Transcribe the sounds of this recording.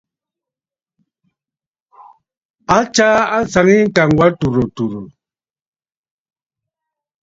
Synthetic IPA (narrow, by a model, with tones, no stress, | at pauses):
a˦t͡ʃa˦a˦sa˨ŋi˦ŋ̩˦ka˨ŋ˦ɡwa˦tu˨ɾo˨tu˨ɾo˨